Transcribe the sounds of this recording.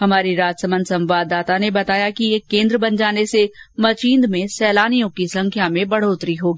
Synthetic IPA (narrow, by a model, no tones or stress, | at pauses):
ɦɐmaːɾiɾaːd͡ʒsəmə̃nd̪sɐ̃mʋaːd̪ːaːt̪anebɐt̪aːjakijekẽːnd̪ɾəbɐ̃nd͡ʒaːnesemɐt͡ʃĩːnd̪mẽsɛːlaːnijõkisɐ̃ŋkʰjamẽbɐɽ̤oːt̪ɾiɦoːɡiː